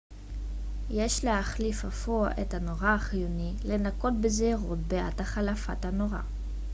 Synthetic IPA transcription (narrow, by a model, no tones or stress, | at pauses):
jeʃleaχlifafoaʔethano̞ʁaːχijonile̞nako̞tbezeaʁo̞̰tbea̰thaχalafathano̞ʁa̰